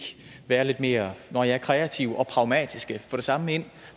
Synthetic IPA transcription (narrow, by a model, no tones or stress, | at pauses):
ʋæːɐle̝d̥me̝ːɐnɒjɑ̈æɐkʰʁɛæt͡sʰiʊɒ̽pʰʁɑ̈ʊmɛ̰ːd̥isɡ̥əfɒ̽ɾ̥e̝sɑ̈məe̝n̰